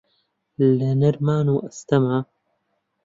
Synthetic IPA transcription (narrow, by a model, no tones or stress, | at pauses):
lɐnɨɾmaːnuːʔɐst̪ɐmaː